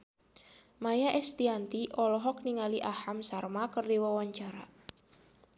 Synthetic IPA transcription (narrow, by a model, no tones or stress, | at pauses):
majaʔɛst̪iant̪iʔɔlɔɦɔk̚niŋaliʔahamsarmakərdiwawaɲt͡ʃaɾa